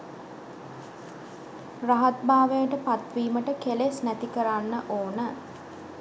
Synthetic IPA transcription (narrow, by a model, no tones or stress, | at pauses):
raɦat̪baːʋəjəʈəpat̪ʋiːməʈəkelesnæt̪ikəɾanːəʔoːnə